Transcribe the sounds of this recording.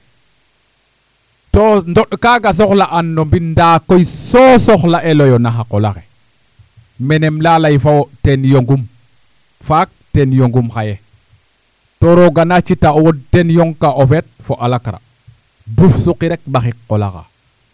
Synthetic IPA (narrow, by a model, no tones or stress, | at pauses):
tondoɗkaɡas̬oxlaʔanːombindakojsosoxlaʔelojonaxaqolaxe | menemlalajfawotenjoŋɡum | fak̚tenjoŋɡumxaje | toɾoɡanat͡ʃitawotenjoŋkaʔofet̚foʔalakɾa̰ | dufsuqiɾek̚baxikːola̰xa̰